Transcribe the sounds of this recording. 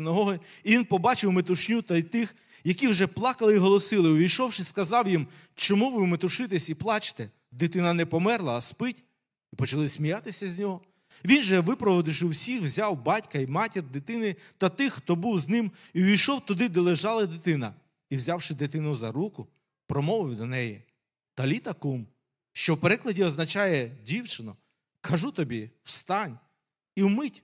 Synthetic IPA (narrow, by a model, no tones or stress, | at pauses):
ɪnɐɦɔɦɪ | inpɔbɑt͡ʃɪwmet̪ʊʃnʲut̪ɐit̪ɪx | jɐkʲiwʒɛplˠɑkɐlˠɪiɦɔlˠɔsɪlˠɪʊʋʲijʃɔwʃɪskɐzɑwjim | t͡ʃɔmuʋɪmet̪ʊʃɪt̪ɪsʲiplˠɑt͡ʃɪ̥t̪ɛ | d̪ɪt̪ɪnɐnɛpɔmɛrlˠɐːspɪtʲ | ipɔt͡ʃɐlˠɪsʲmʲijat̪ɪsʲɐzʲnʲɔɦɔ | ʋʲinʒɛʋɪpɾɔʋɔd̪ɪʃɪwsʲixwzʲɑwbɑtʲkɐimɑtʲird̪ɪt̪ɪnɪ | t̪ɐt̪ɪxxt̪ɔbuwznɪm | iʋʲijʃɔwt̪ʊd̪ɪd̪ɛlˠeʒɑlˠɐd̪ɪt̪ɪnɐ | iwzʲɑwʃɪd̪ɪt̪ɪnʊzɐɾukʊ | pɾɔmɔʋɪwd̪ɔnɛji | t̪ɐlʲit̪ɐkum | ʃt͡ʃɔwpeɾɪklˠɐdʲiɔznɐt͡ʃɑjɛdʲiwt͡ʃɪnɔ | kʰɐʒut̪ɔbʲiw̥st̪ɑnʲ | iwmɪtʲ